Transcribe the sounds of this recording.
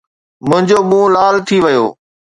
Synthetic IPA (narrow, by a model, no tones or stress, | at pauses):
mʊ̃ɦɪ̃ɲd͡ʑoːɓũːlaːlt̪ʰiʋɐjo̰ː